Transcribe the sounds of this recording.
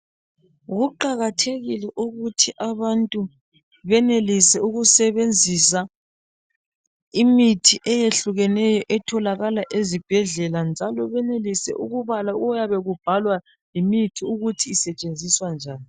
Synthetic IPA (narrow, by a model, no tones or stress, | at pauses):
ɣuǃaɣatʰeɣilɛʔuɣutʰiʔaβantʼu | βɛnelisɛuɣusɛβend͡zʱisa | imitʰiʔɛjeɬuɣɛnɛjɔʔɛtʰɔlaɣalaʔezib̥ʱɛɮɛland͡ʒʱalɔβɛnelisɛ̰ʔuɣuβalaɔjaβɛɣub̥̚ʱalwa | limitʰiuɣutʰiːsɛt͡ʃʼend͡zʱiswand͡ʒʱaːni